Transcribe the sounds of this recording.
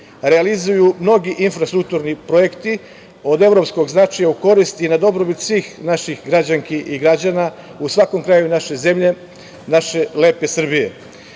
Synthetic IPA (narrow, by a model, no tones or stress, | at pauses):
ɾealizujumno̞ɡiʔinfɾast̪ɾuk̚t̪uɾnipɾoje̞kt̪i | o̞d̪e̞vɾo̞psko̞ɡznat͡ʃajauko̞ɾist̪inad̪o̞bɾobit̪sʋiːxnaʃixɡɾad͡ʑaŋkiʔiɡɾad͡ʑana | usʋako̞mkɾajunaʃeze̞mʎe̞ | naʃe̞le̞ːpesr̩bijḛ